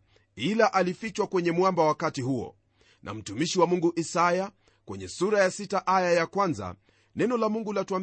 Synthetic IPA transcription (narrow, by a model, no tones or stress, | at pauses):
ilaʔalifit͡ʃwakwɛɲɛmwambawakatiɦuɔ̰ | nʔa̰m̩tumiʃiwamuŋɡuʔisaja | kwɛɲɛsuɾajasitaʔajajakwanza̰ | nɛnɔlamuŋɡulatuam